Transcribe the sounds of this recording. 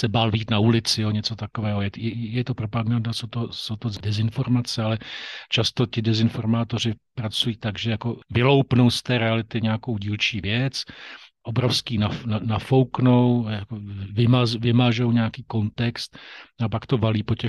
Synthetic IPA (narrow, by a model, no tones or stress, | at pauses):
sɛbaːlviːt̪naulɪt͡sɪjoɲɛt͡sot̪ako̞vɛːɦojɛjɛjɛt̪o̞pɾopaɡandasowt̪oso̞wt̪ozdɛzɪnfo̞ɾmat͡sɛalɛt͡ʃast̪o̞cɪdɛzɪnfo̞ɾmaːt̪o̞r̝ɪpɾat͡sujiːt̪aɡʒɛjako̞vɪlo̞wpnowst̪ɛːɾɛalɪt̪ɪɲɛako̞wɟiːlt͡ʃiːvjɛt͡sʔo̞bɾofskiːnananafo̞wknowjakovɪmazvɪmaʒo̞wɲaakiːko̞nt̪ɛkst̪̚apakt̪o̞valiːpo̞cɛ